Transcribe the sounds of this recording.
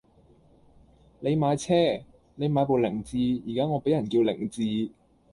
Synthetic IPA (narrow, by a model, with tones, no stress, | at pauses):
le˨˧jmaː˨˧jt͡sʰɛː˥ | ne˨˧jmaː˨˥jp̬o˨wlɪ˨˩ŋt͡siː˧jiː˨˩kaː˦˥ŋɔː˨˧pe˨˥jɐ˨˩nkiː˧wlɪ̰˨˩ŋt͡siː˧